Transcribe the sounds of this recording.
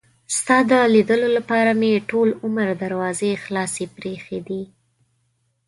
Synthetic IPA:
st̪ɑd̪əlid̪əlolapɑɾameʈolʊməɾd̪aɾwɑzexlɑsepɾexed̪i

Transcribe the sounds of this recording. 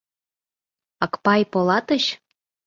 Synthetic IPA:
ɑkpɑjpolɑt̪ə̆ɕ

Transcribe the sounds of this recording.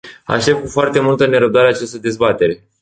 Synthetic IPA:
a̰ʃt̪e̞p̚kufoart̪e̞mult̪əne̞ɾəb̚d̪aɾeat͡ʃast̪əd̪e̞zbat̪e̞ɾe̞

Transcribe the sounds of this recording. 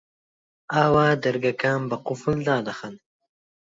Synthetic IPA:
aːwaːd̪ɐɾɡakaːmbɐqʊfuld̪aːd̪ɐxan

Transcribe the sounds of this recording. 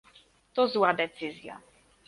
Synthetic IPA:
t̪ɔzwad̪ɛt̪sɘzʲja̰

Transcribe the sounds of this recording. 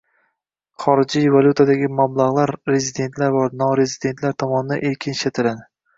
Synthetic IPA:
χɒɾɪd͡ʒijvalˠʲut̪ʰad̪aɡʲɪmablˠaʁlˠaɾɾe̞zid̪e̞nt̪ʰlaɾbɒɾnɒɾe̞zid̪e̞nt̪ʰlaɾt̪ʰɒmɒnɪd̪aʔeɾkʲʰɪnʃat̪ʰɪlad̪ɪ

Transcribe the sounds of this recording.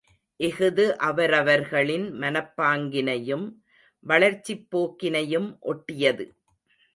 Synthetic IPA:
ʔɛɣɯðɯʔɐʋɐɾɐʋɐɾɣɐɭɪnmɐnɐpːaːŋɡɪnɐjɯm | ʋɐɭɐɾt͡ʃːipːoːkːɪnɐjɯmʔɔʈːɪjɐðɯ

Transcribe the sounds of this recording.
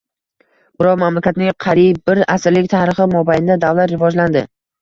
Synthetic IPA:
b̥ɪɾɒwmamlakʲat̪nɪŋqʰɑɾib̚ːɪɾasɪɾlɪk̚ʲt̪ʰaɾɪχɪmɒbaj̪ɪd̪ad̪avlat̪ɾɪvɒd͡ʒland̪ɪ

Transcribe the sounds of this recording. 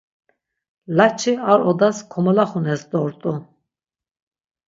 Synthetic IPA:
lat͡ʃʰiaɾɔd̪askʰɔmɔlaχunɛsd̪ɔɾt̪ʼu

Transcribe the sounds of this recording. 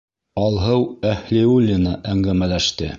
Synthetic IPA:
ɑlˠɦɤwæhliulʲːinɑʔæŋɡæmælæʃt̪ɘ

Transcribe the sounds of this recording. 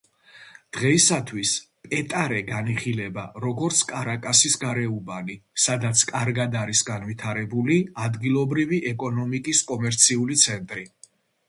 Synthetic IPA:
d̪̥ʁɛisat̪ʰwis | pʼɛt̪ʼaɾɛɡaniχilɛba̰ɾɔɡɔɾt̪sʰkʼaɾakʼasisɡaɾɛubanisad̪at̪sʰkʼaɾɡad̪aɾisɡanvit̪ʰaɾɛbuliad̪ɡilˠɔbɾiviʔɛkʼɔnɔmikʼiskʼɔmɛɾt̪sʰiulit̪sʰɛnt̪ʼɾi

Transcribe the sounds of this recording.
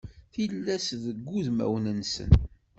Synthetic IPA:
θilːæsðəɡʷːuðmæ̰wnənsə̰n

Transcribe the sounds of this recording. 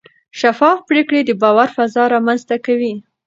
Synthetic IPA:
ʃafɑfpɾekɽed̪əbɑwaɾfazɑɾɑmanzt̪akawi

